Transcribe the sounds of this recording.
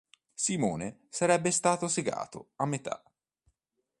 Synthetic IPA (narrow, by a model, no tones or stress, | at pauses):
simɔːnesaɾɛbːest̪aːt̪oseɡa̰ːt̪o̰amːet̪ʰa̰